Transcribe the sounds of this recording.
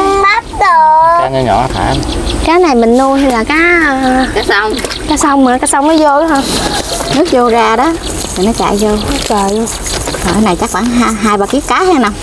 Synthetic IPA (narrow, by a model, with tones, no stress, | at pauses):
ma˦˥t̚ɗo˨˩a˨˦ɲə˨˧˦ɲɔ̰˧˩a˧˦t̪ʰa̰ː˧˩nkaː˨˦jna˨˩jmï˨˩ŋ̟nu˧əɦa˧jlaː˨˩kaː˨˦˧wŋ͡m | kaː˨˦sə˧wŋ͡mnɨ˨˦əkaː˨˦˥sə˧wŋ͡mməː˨˦jzo˧ɗu˨˦ɦə˧nɨ˦˥ək̚zo˧zaː˧ɗɔ˨˦ | t̪ʰi˨˩nɔ˨˦t͡ɕa̰ː˧˨jzo˧˦ə˨˩j | kɔ˨˩ʔə˨˦na˨˩jt͡ɕa˦˥k̚ɓa̰ː˧˩nɦa˧ɦaː˧jɓaː˨˩ki˦˥ək̚kaː˨˦ha˨˧˦na˧wŋ͡m